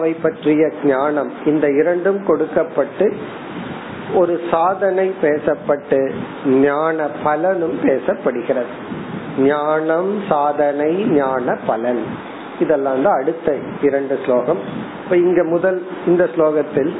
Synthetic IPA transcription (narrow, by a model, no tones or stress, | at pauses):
ɐʋɐɪpːɐʈrɪjɐɡɲaːnɐmɪnd̪ɐɪɾɐɳɖɯmkɔɽɯkːɐpːɐʈːɯ | ɔɾɯsaːðɐnɐɪpeːsɐpːɐʈːɯ | ɲaːɳɐpɐlɐnɯmpeːsɐpːɐɽɯɣɪrɐðɯ | ɲaːnɐmsaːðɐnɐɪɲaːnɐpːɐlɐn | ɪðɛlːãːnd̪aɐɽɯt̪ːɐ | ɪɾɐɳɖɯsloːɣɐm | ɪpːɐːɪŋɡeːmʊðɐlɪnd̪ɐsloːɣɐt̪ːɪl